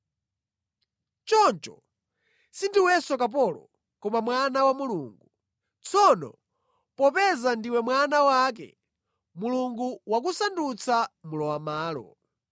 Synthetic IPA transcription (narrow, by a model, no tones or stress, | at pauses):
t͡ʃɔnt͡ʃɔ̰ | sindiwɛsɔkap̬ɔlɔ̰ | kɔmamwanawamuluːŋɡu | t͡sʰɔnɔ̰ | pɔpɛzandiwɛmwanawak̬ɛ̰ | muluŋɡuwakusandut͡sʰamulɔwamaːlɔ̰